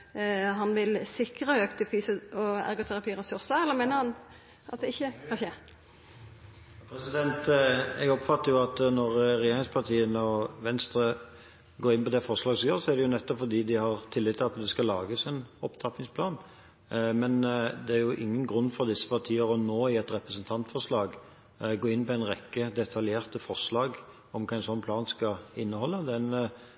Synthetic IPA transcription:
ɦɑnʋɪlsɪkɾəøːkt̪ʰɪfyːsɔæ̰ɾɡɔt̪ʰæʁɑpʰiːʁɛsʉɾsəɛlːəʁmeːnəhɑn | ʔɑt̪̚d̪ɪçːəkʰɑçə | pʰɾɛsɪd̪ɛnt̪ɛɡɔpfɑt̪ːəɾjʊɑt̪nɔʁʁɛjeːɾɪŋspʰɑʁt̪ʰiːənəɔʋɛnst̪ɾə | ɡoːɾɪnpʰɔd̪ɛfɔʁʂlɑːɡsjøːʁsɔæʁd̪ɛjʊnɛt̪ːɔpfɔʁd̪iːd̪ɪhɑʁt̪ʰɪlːɪt̪ʰːɪlɑt̪d̪ɛskɑlːɑːɡəsɛnɔpt̪ʰɑpːɪŋspʰlɑːn | mɛnd̪ɛæɾjʊʔɪ̰ŋːənɡʁʉnːfɔɾd̪ɪsːə̥pɑʁt̪ʰiːəɾɔnoːɪɛt̪ɾɛpɾəsənt̪ʰɑnt̪fɔʁʂlɑːɡ | ɡoːɪnːpɔæɪnʁɛkːəd̪ɛt̪ʰɑljeːʁt̪əfɔʁʂlɑːɡ | ɔmkʰɑːɪnsɔnːpʰlɑːnskɑɪnːəhɔlːəd̪ɛn

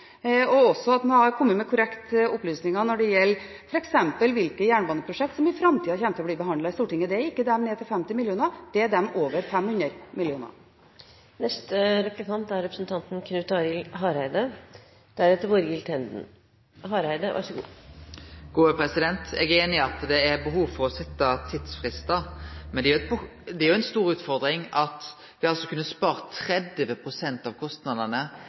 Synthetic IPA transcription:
ɔɔsːɔɑt̪noɑɾkʰɔmːət̪mɛkʰʊɾɛkt̪ɔplyːsnɪŋɑnɔɖɛjɛlː | fɔɾɛksɛmpəlʋɪlkəjæːɳbɑːnəpʰɾʊʂɛk̚t̪sɔmɪfɾɑmt̪ʰiːɑçɛmt̪əɔbliːbəɦɑnd̪lɑɪst̪uːʈɪŋːəd̪ɛæɾɪkːəd̪ɛmneːt̪ʰɪlfɛmt̪ɪmɪljuːnɑd̪̥ɛæɖɛmoːʋəɾfɛmhʉnəɾmɪlɪuːnɑ̰ɾ | nɛst̪əɾɛpləkʰɑnt̪æɾɛpɾəsnt̪ʰɑnt̪n̩kʰnʉːt̪ɑːɾɪlɦɑːɾhæɪd̪ə | d̪̥æɾɛt̪ːəɾʋoːɾjɪlt̪ʰɛnd̪n̩ | ɦɑːɾæɪd̪əʋʔɑ̰ʂəɡṵː | ɡ̥uːəpʰɾɛsɪd̪ɛnt̪ʰɛ̰ɡeːnɪɑt̪d̪ɛːɾbəɦuːʋfɔʁɔsɛt̪ːɑt̪ʰiːd̪sfʁɪst̪əmɛnd̪ɛʊɛt̪bə | d̪ɛæɾjʊɛnst̪uːɾʉːt̪fɔʁd̪ɾɪŋɑt̪ | ʋɪɑlsɔkʰʉnːəspɑːʁt̪ʰɾɛd̪ʋəpʰʁʊsɛnt̪ɑʋkʰɔst̪nɑd̪ənə

